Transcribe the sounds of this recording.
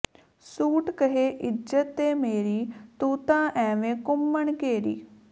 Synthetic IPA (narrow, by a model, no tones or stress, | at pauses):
suːʈkəɦeːʔɪd͡ʒət̪ːeːmeːɾiːt̪uːt̪ãːʔɛ̃ːʋẽːkʊmːəɳkeːɾḭː